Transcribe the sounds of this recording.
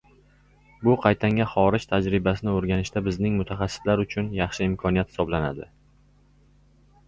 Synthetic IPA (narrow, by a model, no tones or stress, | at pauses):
bʊqʰɑjt̪ʰaŋʲaχɒɾɪd͡ʒt̪ʰad͡ʒɾɪbasɪnɪoɾɡʲanɪʃt̪abɪznɪŋmʊt̪ʰaχɑsːɪ̥slaɾʊt͡ʃʰʊnjɑχʃɪɪmkʰɒnijat̪̚hɪ̥sɒblana̰d̪ɪ